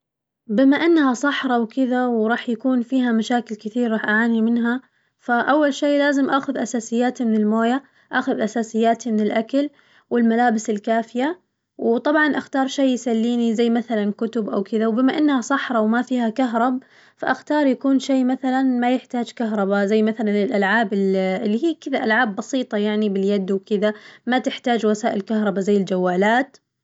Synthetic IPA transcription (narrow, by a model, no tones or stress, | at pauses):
bɪmaʔɪnːhasˤɑħɾˤɑwkɪðawɾˤɑːħjakuːnfiːɦamaʃaːkɪlkɪθiːɾˤɾˤɑːħʔaʕaːnimɪnɦa | faʔawːalʃeːlaːzɪmʔaːxʊðʔasaːsɪjːaːt̪imɪnɪlmoːja | ʔaːxʊðʔasaːsɪjːaːt̪imɪnɪlʔakal | wɪlmalaːbɪsɪlkaːfɪja | wt̪ˤɑbʕɑnʔaxt̪ɑːɾˤʃeːjsalːiːnizajːmaθalankʊt̪ʊbʔawkɪðawbɪmaʔɪnːhasˤɑħɾˤɑwmafiːhakaɦɾˤɑb̚ | faʔaxt̪ɑːɾˤjakuːnʃeːmaθalanmajɪħt̪aːd͡ʒkaɦɾˤɑbazajːmaθalanɪlʔalʕaːbɪlːiɦiːkɪðaʔalʕaːbːɑsiːt̪ˤɑjaʕnibɪljad̪wkɪðamat̪ɪħt̪aːd͡ʒwasaːʔɪlkahɾˤɑbazajːɪld͡ʒawːaːlaːt̪